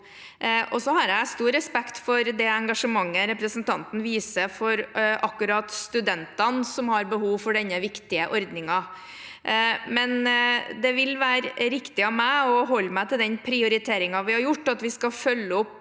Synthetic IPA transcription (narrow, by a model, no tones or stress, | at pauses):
ʔɔsɔhɑɾæɪst̪uːɾɛspɛkt̪fɔɾd̪ɛɛŋɡɑʂəmɑŋːəɾɛpɾəsnt̪ʰɑnt̪n̩ʋiːsəfɔɾɑkːʉɾɑt̪st̪ʉd̪ɛnt̪ɑnsɔmhɑɾbəhuːʋfɔɖɛnːəʋɪkt̪ɪəʔɔɾd̪nɪŋɑ | mɛnd̪ɛʋɪlʋæːɾɾɪkt̪ɪɑʋmæɪɔɦɔlːmæɪt̪ʰɪld̪ɛnpʰɾɪʊɾɪt̪ʰeːɾɪŋɑʋɪhɑɾjʊʈːɑt̪ʋɪskɑfœlːəɔpː